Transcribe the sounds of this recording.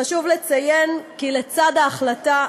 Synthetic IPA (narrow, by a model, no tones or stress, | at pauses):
aʃuvle̞t͡sajenkilet͡sad̪aːχlata